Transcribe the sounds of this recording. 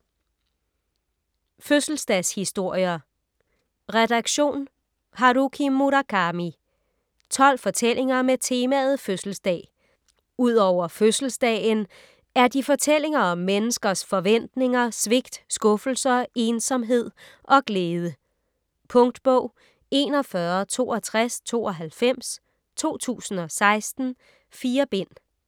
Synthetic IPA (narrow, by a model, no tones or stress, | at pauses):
føsl̩sd̥ɛshisd̥o̝ɐ̰jɐ | ʁɛd̥ɑ̈ɡ̥ɕo̝̰ːn | hɑɾukʰimuɾæɡ̥ʰɑ̈mi | t͡sʰɒ̽l̰fɒ̽t͡sʰelʔe̝ŋɐmet͡sʰe̝ːmæð̞̩ˠføsl̩sd̥ɛ̰ː | uð̞̰ˠɒʊ̰ɐføsl̩sd̥ɛːn | æɐd̥ifɒ̽t͡sʰel̰e̝ŋɐɒ̽mːenəsɡ̥ɐsfɒ̽ʋen̰d̥ne̝ŋɐsʋe̝ɡ̥d̥sɡ̥ɔ̽fl̩sɐe̝ːnsɒ̽mɦe̝ð̞̰ˠ | ʔɒ̽ɡ̥leːðˠə | pʰɔ̽ŋd̥b̥ɔʊ̰ | e̝̰ːnɒ̽fɶɐt͡sʰo̝̰ːɒt͡sʰʁast͡sʰo̝̰ːɒ̽ɦælfem̰s | t͡sʰo̝̰ːt͡sʰṵːsn̩ɒ̽sɑ̈ɪsd̥n̩ | fiːɐb̥e̝n̰